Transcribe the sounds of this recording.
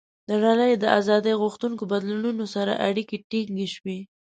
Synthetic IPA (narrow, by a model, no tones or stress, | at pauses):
d̪ənaləjd̪əʔazɑd̪əjɣuxt̪uŋkobad̪lununosaɾa̰ʔaɽikeʈiŋɡeʃwe